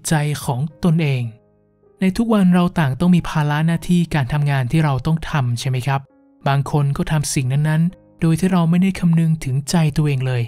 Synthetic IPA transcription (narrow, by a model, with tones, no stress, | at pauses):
t͡ɕa˧jkʰɔː˩˦ŋt̪o˧nʔeː˧ŋ | na˧jt̪ʰu˦˥k̚wa˧nɾa˧wt̪aː˨˩ŋt̪ɔ˥˩ŋmiː˧pʰaː˧la˦˥ʔnaː˥˩t̪ʰiː˥˩kaː˧nt̪ʰa˧mŋaː˧nt̪ʰiː˥˩ɾa˧wt̪ɔ˥˩ŋt̪ʰa˧mt͡ɕʰa˥˩jma˦˥jkʰɾa˦˥p̚ | baː˧ŋkʰo˧nkɔː˥˩t̪ʰa˧msi˨˩ŋna˦˥nːa˦˥n | doː˧jt̪ʰiː˥˩ɾa˧wma˥˩jda˥˩jkʰa˧mnɯ˧ŋt̪ʰɯ˩˦ŋt͡ɕa˧jt̪u˧ɐʔeː˧ŋlɤː˧j